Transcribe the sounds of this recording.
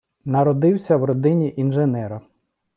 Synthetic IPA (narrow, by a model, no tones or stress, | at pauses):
nɐɾɔd̪ɪwsʲɐwɾɔd̪ɪnʲiʔinʒenɛɾɐ